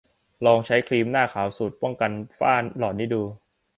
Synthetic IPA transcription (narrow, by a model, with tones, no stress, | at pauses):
lɔː˧ŋt͡ɕʰa˦˥jkʰliː˧mnaː˥˩kʰaː˩˦wsuː˨˩t̪̚pɔ˥˩ŋka˧nfa̰ː˥˩lɔː˨˩t̪niː˦˥˩duː˧